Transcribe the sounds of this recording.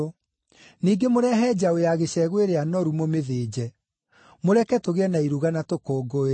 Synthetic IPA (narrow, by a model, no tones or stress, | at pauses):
niːɡemoɾɛɦɛːd͡ʑaojaɣeɕɛɣweɾeanɔɾumomeðeːd͡ʑɛ | moɾɛkɛtoɣeɛnaiɾuɣanatokoːɡo